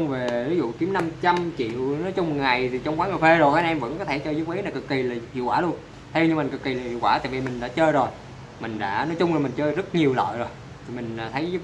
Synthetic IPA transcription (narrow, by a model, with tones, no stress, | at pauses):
ŋ͡mve˨˩vi˨˦zṵ˧˨ki˨˦əmna˧mt͡ɕa˧mt͡ɕḭ˧˨wnɔ˨˦jt͡ɕʊ˧ŋ͡mŋa˨˩jt̪ʰi˨˩t͡ɕɔ˧wŋ͡mkwaː˨˦ŋɨ˨˩fe˧zo˨˩jkaː˧˥nʔɛ˧mvə̰˧˥nkɔ˨˦t̪ʰe˧˩t͡ɕəː˧jzɨ˦˥k͡p̚ʔi˨˦naː˨˩kɨ˨˩kːi˨˩laː˨˩hḭ˧˨əwkwaː˧˩lu˧ən | t̪ʰe˧wɲɨ˧ma˨˩kɨ˨˩kːi˨˩laː˨˩hḭ˧˨wkwaː˧˩t̪a̰˧˨vi˨˩mï˨˩ŋ̟ɗa̰ː˧˥t͡ɕəː˧jzo˨˩j | mï˨˩ŋ̟ɗa̰ː˧˥nɔ˨˦jt͡ɕʊ˧ŋ͡mlaː˨˩mï˨˩ŋ̟t͡ɕəː˧jzə˦˥t̚ɲi˨˩əwlə̰ː˧˨jzo˨˩j | t̪ʰi˨˩mï˨˩ŋ̟ː˨˩t̪ʰə˨˦j